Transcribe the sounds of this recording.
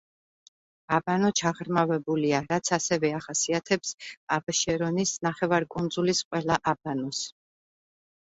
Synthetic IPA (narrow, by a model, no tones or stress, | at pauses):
abanɔt͡ʃʰaʁɾmavɛbuliaɾat̪sʰasɛvɛaχasiat̪ʰɛpsabʃɛɾɔnisnaχɛvaɾkʼund̪zulisqʼwɛlaʔab̥anɔs